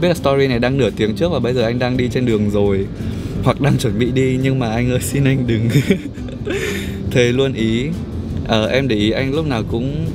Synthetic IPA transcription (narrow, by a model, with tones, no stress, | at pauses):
i˦˥t̚laː˨˩t̪ɔ˧zi˧na˨˩jɗaː˧ŋnɨː˧˩ət̪i˨˦əŋt͡ɕɨ˦˥k̚vaː˨˩ɓə˧jzəː˨˩ʔa˧jŋ̟ɗaː˧ŋɗi˧t͡ɕe˧nɗɨ˨˩əŋzo˨˩j | hwa˨˩k̚ɗaː˧ŋt͡ɕwə˧˩nɓḭ˧˨ɗi˧ɲɨ˧ŋmaː˨˩ʔa˧jŋ̟ʔəː˧jsi˧nʔa˧jŋ̟ɗɨ˨˩ŋ | t̪ʰe˨˦lu˧ənʔi˨˦ | ʔəː˧˩ʔɛ˧mɗe˧˩ʔi˨˦ʔa˧jŋlʊ˦˥k͡p̚naː˨˩wkʊ̰˧˥ŋ͡m